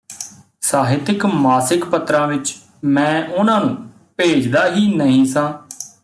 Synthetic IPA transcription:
saːɦɪt̪ɪkmaːsɪkpət̪ɾãːʋɪt͡ʃ | mɛ̃ːʔʊnãːnũː | peːd͡ʒd̪aːɦiːnəɦĩːsãː

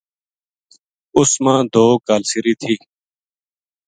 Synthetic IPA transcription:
ʊsmãːd̪ʱoːkaːlsɪɾiːt̪ʰiː

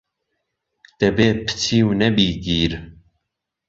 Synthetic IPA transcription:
d̪̥ɛbeːpʰɨ̥t͡sʰiːwnɛbiːɡiːɾ

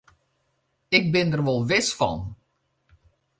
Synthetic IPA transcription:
ɪk̚bɪndərʋolˠʋɪsfɔ̰n

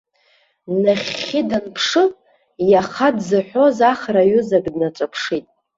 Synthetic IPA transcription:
naχʲɪdanpʰʂɨ | jaχadzɨħʷᶣo̞zaχraɥʊzaɡʼdnaʈ͡ʂʷʼapʰʂitʼ

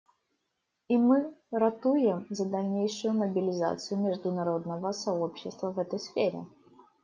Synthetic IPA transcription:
imɨɾɐt̪ujɪmzɐd̪ɐlʲnʲejʂɨjʊməbʲɪlʲɪza̰t̪sɨjʊmʲɪʐd̪ʊnɐɾo̞d̪nəvəsɐo̞pɕːɪst̪vəvɛt̪əjsfʲeɾʲɪ̰

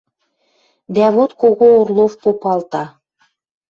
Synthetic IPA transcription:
d̪æβot̪koɣoorlˠofpopɑlt̪ɑ

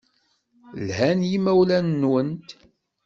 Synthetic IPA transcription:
lhænjimæwlænːwənt̪

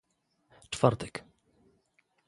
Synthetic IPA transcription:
t͡ʂfaɾt̪ɛk

